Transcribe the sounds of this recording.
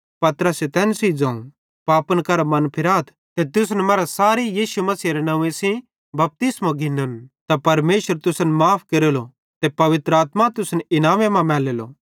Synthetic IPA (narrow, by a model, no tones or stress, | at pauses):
pɐt̪ɾəset̪ɛːnsid͡zãːũ | paːpənkɐɾamɐnpʰɪɾaːt̪ʰ | t̪et̪ʊs̬nɛmaːɾasaːɾijiːʃumɐsiːɾenɐ̃ũẽsĩ | bɐp̚t̪ɪsmãɡʱɪnənt̪apɐɾmeːʃəɾt̪ʊsənmaːpʰkeɾelo | t̪epɐʋɪt̪ɾəaːt̪mat̪ʊsnɪnaːmẽmãmɛːleːlo̰ː